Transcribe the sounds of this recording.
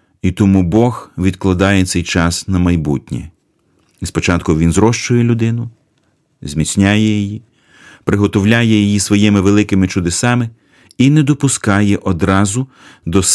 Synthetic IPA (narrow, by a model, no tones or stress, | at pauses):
it̪ɔmubɔxʋʲid̪klˠɐd̪ɑjɛt̪sɛjt͡ʃɑsnɐmɐjbutʲnʲɛ̰ | spɔt͡ʃɑt̪kʊʋʲinzɾɔʃt͡ʃʊjɛlʲʊd̪ɪnʊ | zʲmʲit͡sʲnʲajɛjiji | pɾʔɪɦɔt̪ɔwlʲajɛjijisʋɔjɪmɪʋelˠɪkɪmɪt͡ʃʊd̪esɑmɪ | inɛd̪ɔpʊskɑjɛʔɔd̪ɾɑzʊ | d̪ɔs